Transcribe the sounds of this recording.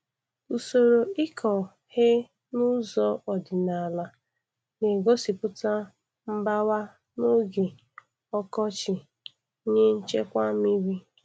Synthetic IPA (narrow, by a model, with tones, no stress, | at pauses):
u˨so˨ɾo˨ɪ˦kʰɔ˨ | he˦ | nʊ˦zɔ˦ɔ˨dɪ˨na˨la˨ | ne˨ɡo˦si˨pʊ˦ta˦ | m̩˦ba˦wa˦ | no˦ɡe˨ | ɔ˦kɔ˦t͡ʃɪ˨˦ | ɲe˦n̩˦t͡ʃe˦kʷa˦mi˦ɾi˦